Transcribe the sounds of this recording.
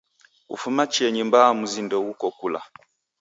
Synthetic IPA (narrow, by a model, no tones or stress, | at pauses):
ṵfumat͡ʃiɛɲimbamuzindɔwukɔkula̰